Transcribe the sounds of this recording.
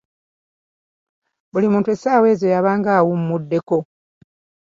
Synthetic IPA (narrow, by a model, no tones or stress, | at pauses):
bulimuːntuesaːwe̞ːzo̞jaβaːŋɡaːwummudːe̞ko̞